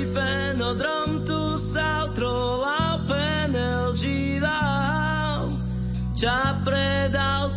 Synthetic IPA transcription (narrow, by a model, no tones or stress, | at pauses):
pɛ | nɔd̪ɾɔmt̪u | sawt̪ɾɔ | lawpɛ | nɛ | ld͡ʒi | va | l | t͡ʃapɾɛd̪alt̪